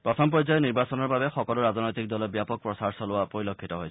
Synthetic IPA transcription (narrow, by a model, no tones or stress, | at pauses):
pɹɔtʰɔmpɔzajɔniɹbasɔnɔɹbabɛxɔkɔlʊɹaznojtik̚dɔlɔbijapɔk̚pɹɔsaɹsɔlʊwapoɹilokʰːitɔɦojʰ